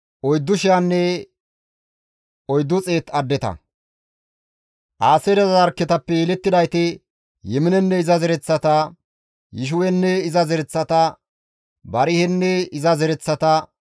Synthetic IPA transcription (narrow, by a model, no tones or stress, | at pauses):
ʔɔjd̪ːʊʃɪjanːɛ | ɔjd̪ːʊt͡sʼe̞ːt̪ɐd̪ːɛt̪ɐ̰ | ʔaːsɛd̪ɐzɐɾkːɛt̪ɐpːɛjɛlɛt̪ːɪd̪ɐjt̪ɛ | jɛmɪnɛnːɛɪzɐzɛɾɛt͡sːɐt̪ɐ | jɪʃ̬ʊwɛnːɛɪzɐzɛɾɛt͡sːɐt̪ɐ | bɐɾɪhɛnːɛɪzɐzɛɾɛt͡sːɐt̪ɐ